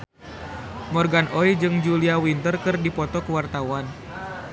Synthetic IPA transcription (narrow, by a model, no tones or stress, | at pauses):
mɔrɡanɔid͡ʒɨŋd͡ʒuliawint̪ərkɨrdipɔt̪ɔkəwart̪awan